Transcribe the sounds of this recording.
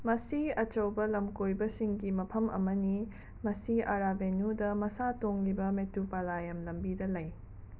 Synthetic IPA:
mɐsiɐt͡ʃɐwbɐlɐmkojbɐsiŋɡimɐpʰɐmɐ̰mɐni | mɐsiɐɾabenudɐmɐsatoŋlibɐmetupalajɐmlɐmbidɐlɐj

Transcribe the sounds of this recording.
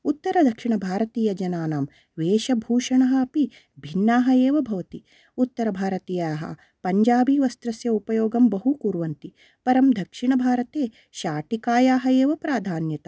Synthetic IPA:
ut̪ːɐɾɐd̪ʱɐkʂiɳɐbʱaːɾɐt̪iːjɐd͡ʒɐnaːnaːm | ʋeːʃɐbʱuːʂɐɳɐɦɐ̆ːpi | bʱinːaːɦɐeːʋɐbʱɐʋɐt̪i | ut̪ːɐɾɐbʱaːɾɐt̪iːjɐɦɐ̰ | pɐɲd͡ʒaːbiʋɐst̪ɾɐsjɐupɐjoːɡɐmbɐɦukuːɾʋɐnt̪i | pɐɾɐmd̪ʱɐkʂiɳɐbʱaːɾɐt̪eː | ʃaːʈikaːjaːɦɐeːʋɐpɾaːd̪ʱaːnjɐt̪ɐ̥

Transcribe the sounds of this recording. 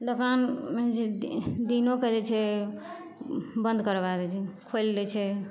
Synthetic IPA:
d̪okanmed͡ʒed̪inoked͡ʒɛt͡ʃʰɛ | bə̃nd̪ʱkəɾbad̪ɛt͡ʃʰɛkʰold͡ʒɛt͡ʃʰɛ

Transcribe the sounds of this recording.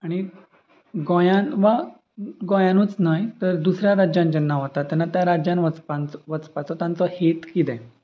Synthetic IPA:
aɽ̃i | ɡɔ̃jãnʋa | ɡɔ̃jãnuːt͡snajt̪əɾd̪usɾjaɾad͡ʑjãnd͡ʑənːaʋat̪at̪ːjanːat̪jaɾad͡ʑjãnʋət͡spant͡sʋət͡spat͡sɔt̪jãnt͡sɔhet̪kit̪ɛ̃

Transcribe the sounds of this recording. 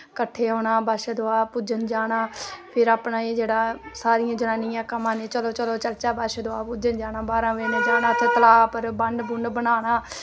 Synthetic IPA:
kəʈʰːeːɦoːɽaːbaːʃeːd̪oaːpud͡ʒənd͡ʒaːɽaːpʰɪɾaːpnaːeːd͡ʒeːɽaːsaːɾɪjãːd͡ʒənaːnɪjãːkəmãːnẽːt͡ʃəloːt͡ʃəloːt͡ʃəlt͡ʃaːbaːʃeːd̪oaːpud͡ʒənd͡ʒaːnaːbaːɾãːʋeːnẽd͡ʒaːnaːət̪ʰeːt̪əlaːpəɾbəɳɖbʊɳɖbənaːɽaː

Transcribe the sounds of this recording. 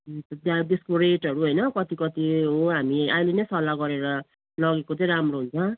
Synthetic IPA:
t̪ʌt̪ad̪espoɾeʈʌɾuɦojnʌkʌt̪ikʌt̪iɦoɦamiajlenʌjsʌlaɡʌɾeɾʌ | lʌɡekot͡sʌĩɾamroɦunt͡sʰʌ

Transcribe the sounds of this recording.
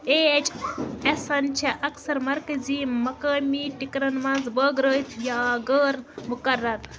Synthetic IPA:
eːt͡ʃɐsɐnt͡ʃʰeʔɐksɐɾmɐɾkɐziːɐkaːmiːʈikɾɐnʋɐ̃nzbəːɡɾəːt̪ʰjaːɡəːɾmukɐɾːɐɾ

